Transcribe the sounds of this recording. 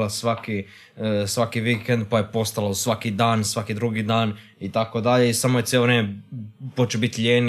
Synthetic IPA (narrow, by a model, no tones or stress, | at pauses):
lasʋaki | sʋakiʋikend̪̚pajepo̞st̪alasʋakid̪aːnsʋakid̪ɾuɡid̪aːn | it̪akod̪aʎe̞isamojet̪jeloʋɾeːmepot͡ʃebit̪ʎʲeːn